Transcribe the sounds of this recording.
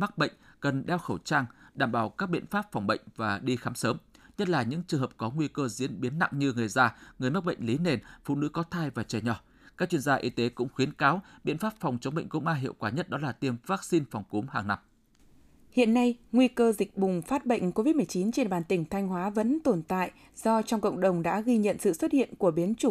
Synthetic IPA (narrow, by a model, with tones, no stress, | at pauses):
ma˦˥k̚ɓə̰˧˨jŋ̟kə˨˩nɗɛ˧wxə˧˩wt͡ɕaː˧ŋɗaː˧˩mɓaː˧˩wkaː˦˥k̚ɓḭ˧˨ənfaː˦˥p̚fɔ˨˩wŋ͡mɓə̰˧˨jŋ̟vaː˨˩ɗi˧xaː˨˦msəː˨˦mɲə˦˥t̚laː˨˩ɲɨ̰˧˥ŋt͡ɕɨ˨˩ŋhə˨˩p̚kɔ˨˦ŋwi˧kəː˧zḭ˧˥ənɓi˨˦ənːa̰˧˨ŋɲɨ˧ŋɨ˨˩əjzaː˧ŋɨ˨˩əjm˦˥k̚ɓə̰˧˨jŋ̟li˨˦ne˨˩nfṵ˧˨nɨ̰˧˥kɔ˨˦t̪ʰaː˧jvaː˨˩t͡ɕəː˧˩ɲɔ˨˩ | kaː˦˥k̚t͡ɕwi˧ənzaː˧ʔi˧˦t̪e˨˦kʊ̰˧˥ŋ͡mxwi˨˦ənkaː˨˦wɓḭ˧˨ənfaː˦˥p̚fa˨˩wŋ͡mt͡ɕə˨˦wŋ͡mɓə̰˧˨jŋkʊ̰˧˥ŋ͡mʔaː˧ɦḭ˧˨əwkwaː˧˩ɲə˦˥t̚ɗɔ˨˦laː˨˩t̪i˧˩əmvaː˦˥k̚si˧nfɔ˨˩wŋ͡mku˨˦mhaː˨˩ŋna˧m | hḭ˧˨ənːa˧jŋwi˧kəː˧zï˨˩k̟̚ɓʊ˨˩ŋ͡mfaː˦˥t̚ɓə̰˧˨jŋ̟ko˧vi˦˥t̚m˨˩əjt͡ɕi˨˦nt͡ɕe˧nɓaː˨˧˩nt̪ï˧˩ŋ̟t̪ʰa˧jŋ̟ɦwaː˨˦və̰˧˥nt̪o˧˩nt̪a̰ː˧˨j | zɔ˧t͡ɕɔ˧wŋ͡mkə̰˧˨wŋ͡mɗə˨˩wŋ͡mɗa̰ː˧˥ɣi˧ɲə̰˧˨nsɨ̰˧˨swə˦˥t̚hḭ˧˨ənku˧˩əɓi˨˦ənt͡ɕʊ˧˩